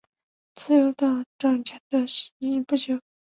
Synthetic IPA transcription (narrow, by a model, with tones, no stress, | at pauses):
t͡sɹ̩˥˩jo˧˥ʊt̪ɑ˥˩ʈ͡ʂɑ˥˩ŋt͡ɕʰɛ˧˥nd̪ə˧ɕi˧˥i˥˩pu˥˩t͡ɕjo˨˧˩ʊ